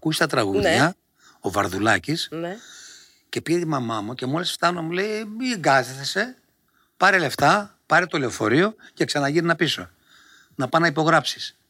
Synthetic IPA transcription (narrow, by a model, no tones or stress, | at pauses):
ɐkusi̥t̪ɐt̪ɾɐɣuðʝɐ | o̞vɐ̰ɾðulɐcisn | ce̞piʝet̪imɐmɐmuce̞mo̞lisft̪ɐno̞mule̞jiŋɡɐsese̞ | pɐɾele̞ft̪ɐ | pɐɾet̪o̞leo̞fo̞ɾio̞ce̞ksɐnɐʝininɐpiso̞ | nɐpɐnɐipo̞ɣɾɐpsi̥s